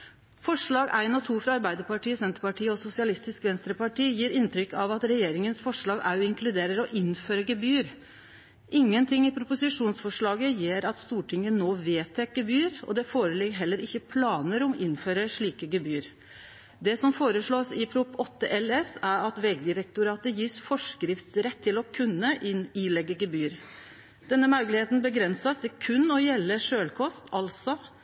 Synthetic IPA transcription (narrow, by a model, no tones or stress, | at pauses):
fɔʂɭɑːɡæɪnɑt̪ʰuːfɾɑɑɾbæɪd̪əɾpɑʈiːəsɛnt̪əɾpɑʈiːəɔsʊsɪɑlɪst̪ɪskʋɛnst̪ɾəpɑʈiːjiːɾɪnt̪ʰɾʏkːɑʋɑt̪ɾɛjeːɾɪŋənsfɔʂɭɑːɡæ̰ɾjʊɪŋkʰlʉd̪eːɾəɾɔʔɪnføːɾəɡəbyːəɾ | ʔɪŋːənt̪ʰɪŋːɪpʰɾʊpʊsɪʂuːnsfɔʂɭɑːɡəjeːɾɑt̪st̪uːʈɪŋːənoːʋeːt̪ʰɛk̚ɡəbyːəɾɔ̰d̪ɛfoːɾəlɪɡəɦɛlːəɾɪçːəpʰlɑːnəɾɔmʔɪnføːɾəʂɭiːkəɡəbyːɾ | d̪ɛsɔmfoːɾəʂɭoːsɪpʰɾʊpːɔt̪ːəʔɛlɛsæɾɑt̪ʋɛɡd̪ɪɾɛk̚t̪ʊɾɑːt̪əjiːsfɔʂkɾɪft̪sɾɛt̪ʰːɪlɔkʰʉnːəʔɪnilɛɡːəɡəbyːɾ | d̪̥ɛnːəmɑʉklɪheːt̪n̩bəɡɾɛnsɑsd̪ɛkʰʉnːɔjɛlːəʂøːlkʰɔst̪ʰɑlsɔ